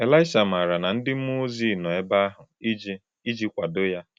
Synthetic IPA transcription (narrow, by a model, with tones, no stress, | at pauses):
e˨la˦ɪ˦ʃa˨m˨a˨ɾa˨na˨n̩˦dɪ˦m̩˦mo˦zi˦˨nɔ˨e˦ba˦a˦ɦʊ˨i˦d͡ʒ | i˦d͡ʒi˦kʷa˨dʊ˦ja˦